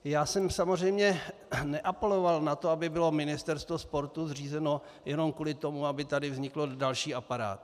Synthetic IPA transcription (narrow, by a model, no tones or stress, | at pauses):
jaːsɛmsamor̝ɛjmɲɛnɛʔapɛlo̞valnat̪oabɪbɪlo̞mɪnɪst̪ɛɾst̪vospo̞ɾt̪uzr̝iːzɛno̞ | jɛno̞mkuːlɪt̪o̞muabɪt̪adɪvzɲɪklo̞dalʃiːapaɾa̰ːt̪